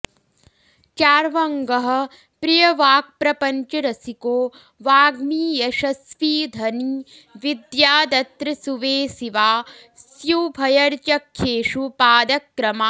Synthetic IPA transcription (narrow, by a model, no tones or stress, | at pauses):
t͡ʃaːɾʋɐŋɡɐɦɐ̆ | pɾijɐʋaːk̚pɾɐpɐɲt͡ʃɐɾɐsikoː | ʋaːɡmiːjɐʃɐsʋiːd̪ʱɐni | ʋid̪jaːd̪ɐt̪ɾɐsuʋeːsiʋaː | sjuːbʱɐjɐɾt͡ʃɐkʰːeːʂupaːd̪ɐkːɾɐmaː